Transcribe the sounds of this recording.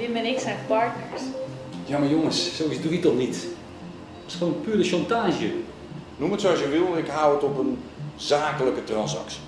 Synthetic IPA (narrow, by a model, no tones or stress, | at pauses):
ʋɪmɛnɪksɛnpɑɹtnəɹsjaːmajoŋəssowisduɦitɔlˠnit | sχoənpyːɾəʃɑntaːʒjə | numətsoɑsjəʋɪlˠɪkɦaːwətɔpənzaːkələkətrɑnsɑ̰ksi̥